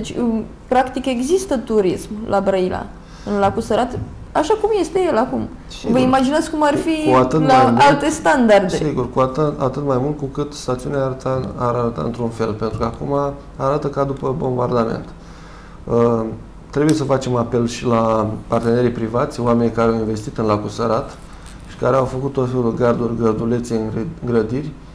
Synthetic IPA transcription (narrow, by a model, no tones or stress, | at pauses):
d̪et͡ʃʲɨ | pɾakt̪ike̞ɡzist̪ət̪uɾismlʔabɾəila̰ | ɨnlakusəɾat̪ | aʃakumje̞st̪e̞je̞lakum | ʃvəimad͡ʒinat̪sʲkumarfiuat̪ɨt̪laajmalt̪e̞st̪and̪ard̪esiɡurkuat̪əat̪ɨt̪majmult̪̚kukɨt̪st̪at̪siuneaɾət̪aaɾaɾət̪a̰ɨ̰nt̪ɾunfe̞lpe̞nt̪ɾukəakumaː | ɾat̪əkad̪upəbo̞mbard̪ame̞̰nt̪ | ə | t̪ɾe̞buje̞s̬əfat͡ʃe̞mape̞lʃilapart̪e̞ne̞ɾijpɾivat̪sʲoame̞nʲkaɾeawinve̞st̪it̪ɨnlakusəɾat̪ | ʃi̥kaɾeawfəkut̪̚t̪ːo̞t̪fe̞lud̪ɡard̪urʲɡərd̪ule̞t̪seɨŋɡɾəd̪irʲ